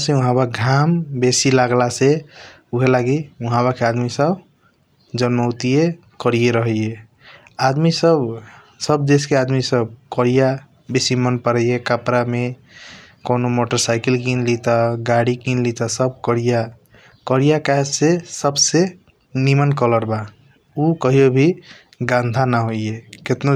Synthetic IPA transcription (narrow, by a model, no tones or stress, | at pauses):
sẽũɦãbaɡʱambesilaɡlase | uɦelaɡiuɦãbakead̪misəb | d͡ʒənməwt̪ije | kəɾijeɾəɦe | ad̪misəb | səb̚d̪eskead̪misəbkəɾija | besimənpəɾəjekapɾame | konomoʈəɾsaɪkelkinlit̪aɡaɽikinlit̪asəb̚kəɾija | kəɾijakad͡ʒsesəbse | nimənkələɾba | ukəɦijobʱi | ɡãnd̪ʱanaɦoieket̪no